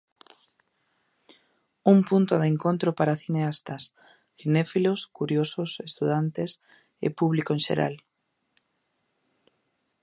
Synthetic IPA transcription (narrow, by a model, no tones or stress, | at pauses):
umpunt̪oðeŋkont̪ɾopaɾaθineast̪as | θinefiloskuɾjososest̪uðant̪es | ḛpuβlikoẽnʃḛɾa̰l